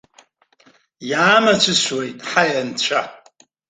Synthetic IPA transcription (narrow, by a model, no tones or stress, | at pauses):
jaːmat͡ʃʷʰɨswejtʼħajant͡ɕʷʰa